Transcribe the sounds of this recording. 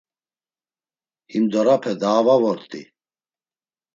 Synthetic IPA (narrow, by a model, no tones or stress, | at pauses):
himd̪ɔɾapʰɛd̪aːvavɔɾt̪ʼḭ